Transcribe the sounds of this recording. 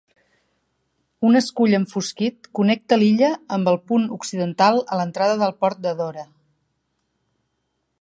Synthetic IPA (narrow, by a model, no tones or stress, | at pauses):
unəskuʎəɱfuskit̪̚kunɛk̚t̪əliʎəːmbəlˠpunuksiðənt̪alˠələnt̪ɾaðəðəlˠpɔɾt̪̚d̪əðɔɾə